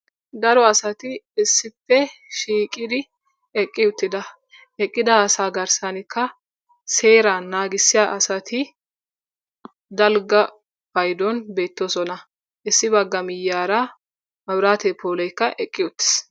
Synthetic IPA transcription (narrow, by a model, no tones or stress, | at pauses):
d̪ɐɾɔɐsɐt̪ɪɪsːɪpːɛʃiːkʼɪd̪ɪ | ɛkʼːɪʊt̪ːɪd̪ɐ | ɛkʼːɪd̪ɐːsaːɡɐɾsɐnɪkːɐ | se̞ːɾanaːɡɪsːɪjaːʔɐsɐt̪ʰɪ | d̪ɐlɡɐ | bɐjd̪ɔnbe̞ːt̪ːosɔnɐ | ʔɪsːɪbɐɡːɐmɪjːaːɾɐ | mɐbɾaːt̪ɛpʰoːlɔjkːɐʔɛkʼːɪjʊt̪ːɪ̥s